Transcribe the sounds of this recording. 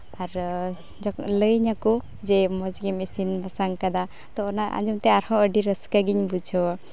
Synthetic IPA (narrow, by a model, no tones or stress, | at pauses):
aɾ | d͡ʒɔləjɲaku | d͡ʒɛmɔd͡ʒɡɛmɛsinbasaŋkad̪a | t̪ɔːnaʔa̰d͡ʒumt̪ɛaɾhɔ̃əɖiɾəskaɡiɲbud͡ʒʱɔwa